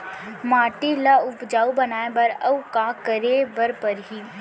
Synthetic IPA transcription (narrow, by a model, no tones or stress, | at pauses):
maːʈilaʊpd͡ʒaːubɐnaːebɐɾɐukaːkəɾebɐɾpəɾɦi